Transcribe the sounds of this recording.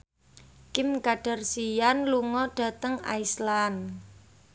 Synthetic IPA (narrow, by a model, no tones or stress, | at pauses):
kɪmkaɖ̥a̤rsijanluŋɔɖ̥a̤t̪əŋa̰islan